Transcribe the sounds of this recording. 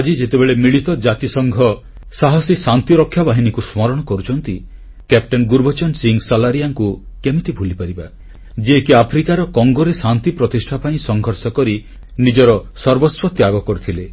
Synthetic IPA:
ad͡ʒid͡ʒet̪ebeɭemiɭit̪ɔd͡ʒat̪isɔŋɡʱɔ | saɦɔsisant̪iɾɔkʰːjabaɦinikusmɔɾɔɽ̃ɔkɔɾut͡ʃʰɔnt̪i | kep̚ʈɔnɡuɾbʱɔt͡ʃɔnsiŋsalaɾijaŋku | kemit̪ibʱulipaɾiba | d͡ʒeːkiapʰɾikaɾɔkɔŋɡɔɾesant̪ipɾɔt̪isʈʰapaĩsɔŋɡʱɔɾsɔkɔɾi | nid͡ʒɔɾɔsɔɾbɔswɔt̪jaɡɔkɔɾut̪ʰile

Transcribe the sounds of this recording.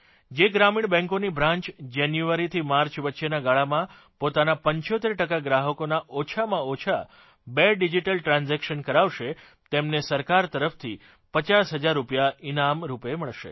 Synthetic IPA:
d͡ʒeɡɾamiɳbɛ̃ŋkonibʱɾãɲt͡ʃd͡ʒanjuʋaɾit̪ʰimaɾt͡ʃʋətːʃenaɡaɭamã | pot̪anapəɲt͡ʃot̪eɾʈəkaɡɾaɦəkonaʔot͡ʃʰamãot͡ʃʰa | beɖid͡ʒiʈəlʈɾãnzɛkʃənkəɾaʋʃe | t̪emnesəɾkaɾt̪əɾəft̪ʰi | pət͡ʃasɦəd͡ʒaɾːupjainamɾupeməɭʃḛ

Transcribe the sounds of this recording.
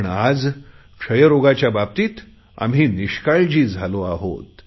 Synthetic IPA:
ɳad͡z | kʂəjəɾoɡat͡ɕjabab̚t̪iːt̪ | a̰mɦiːniɕkaɭd͡ʑiːd͡zʱaloaɦo̰t̪

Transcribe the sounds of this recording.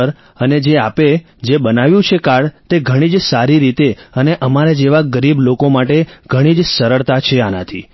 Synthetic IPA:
əɾ | əned͡ʒeape | d͡ʒebənaʋjũt͡ʃʰekaɽt̪eɡʱəɽ̃id͡ʒsaɾiɾit̪eəneʔəmaɾed͡ʒeʋaɡəɾiblokomaʈeɡ̥ʱəɽ̃id͡ʒsəɾəɭt̪at͡ʃʰeanat̪ʰi

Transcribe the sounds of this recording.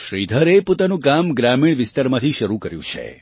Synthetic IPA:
ʃɾid̪ʱəɾepot̪anũkamɡɾamiɽ̃ʋɪst̪aɾmãt̪ʰiʃəɾukəɾjṵ̃t͡ʃʰḛ

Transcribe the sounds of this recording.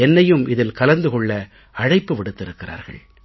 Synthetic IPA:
ɛnːɐjɯmɪðɪlkɐlɐnd̪ɯkɔɭːɐ | ɐɻɐɪpːɯʋɪɽɯt̪ːɪɾɯkːɪra̰ːɾɣɐ̰ɭ

